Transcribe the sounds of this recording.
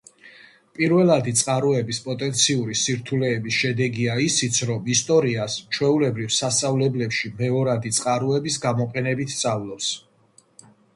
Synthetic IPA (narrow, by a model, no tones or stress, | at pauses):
pʼiɾvɛlˠad̪it̪sʼqʼaɾuɛbispʼɔt̪ʼɛnt̪sʰiuɾisiɾt̪ʰulɛːbisʃɛd̪ɛɡiaisit̪sʰɾɔmist̪ʼɔɾiast͡ʃʰwɛulɛbɾivsast̪sʼavlɛblɛpʃimɛɔɾad̪it̪sʼqʼaɾuɛbisɡamɔqʼɛnɛbit̪ʰːt̪sʼavlˠɔps